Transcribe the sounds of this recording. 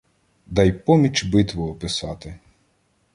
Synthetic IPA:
d̪ɑjpɔmʲit͡ʃbɪt̪ʋɔːpɪsɑt̪ɪ

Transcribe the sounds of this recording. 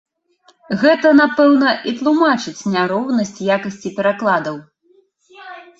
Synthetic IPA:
ɣɛt̪ɐnapɛwnɐʔit̪lˠumat͡ʂɨt͡sʲnʲaɾɔwnɐsʲt͡sʲjakɐsʲt͡sʲipʲɛɾaklˠad̪ɐw

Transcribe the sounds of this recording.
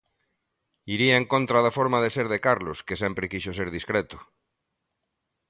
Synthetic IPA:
iɾiaeŋkõnt̪ɾaðafoɾmaðeseɾðekaɾloskesempɾekiʃoseɾðiskɾet̪ʊ̥

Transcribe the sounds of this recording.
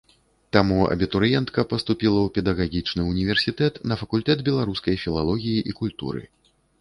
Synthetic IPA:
t̪amuɐ̰bʲit̪uɾjɛnt̪kɐpɐst̪upʲilˠɐwpʲɛd̪ɐɣaɣʲit͡ʂnɨunʲivʲɛrsʲit̪ɛt̪nɐfɐkulʲt̪ɛd̪bʲɛlˠaɾuskɐjfʲilˠalˠɔɣʲijiʔikulʲt̪ṵɾɨ̰

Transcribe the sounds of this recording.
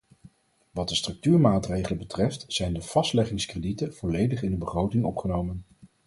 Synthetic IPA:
ʋɑt̚dəstrɵk̚tyːɹmaːtrejχələbətrɛftzɛjndəv̥ɑstlɛχɪŋskreditəv̥ɔlejdəχɪndəbəχrowtɪŋɔpχənowmən

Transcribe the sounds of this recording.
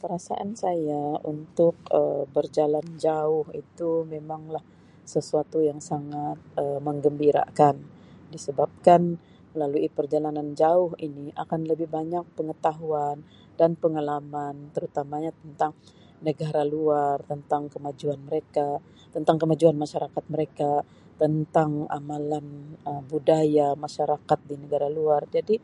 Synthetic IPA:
kəɾasa̰ʔansajaunt̪ʊk̚əbərd͡ʒaland͡ʒaʊhḭt̪umemaŋlah | səsuat̪ujaŋsaŋat̪̚əməŋɡəmbiɾa̰kan | disəbap̚kan | məlaluipərd͡ʒalanand͡ʒaʊɦiniʔa̰kanləbɪhbaɲak̚pəŋət̪aɦuan | danpəŋalamant̪əɾut̪amaɲat̪ənt̪aŋ | nəɡaɾaluart̪ənt̪aŋkəmad͡ʒuanməɾeka | t̪ənt̪aŋkəmad͡ʒuanmaʃaɾakat̪̚məɾeka | t̪ənt̪aŋa̰malanəbudajamaʃaɾakat̪̚dinəɡaɾaluard͡ʒadi

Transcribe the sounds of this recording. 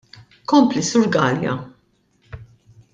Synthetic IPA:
kɔmplisʊːɾɡɐːljɐ̰

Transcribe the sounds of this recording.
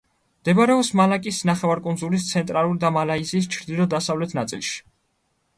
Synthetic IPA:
md̪ɛbɾɛɔpsmalakʼisnaχɛvaɾkʼunzulist̪sʰɛnt̪ʼɾalˠuɾid̪amalaizis̬t͡ʃʰɾd̪ilɔd̪asavlɛt̪ʰnat̪sʼḭlˠʃi̥

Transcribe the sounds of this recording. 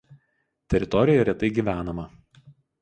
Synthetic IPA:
t̪ʲɛɾʲɪt̪ɔɾʲɪjɛɾʲɛt̪ɐɪɡʲiːˑʋʲæːnɐmɐ

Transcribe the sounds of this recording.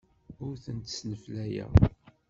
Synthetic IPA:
ʊɾθənt̪əsnəflæjæ̰

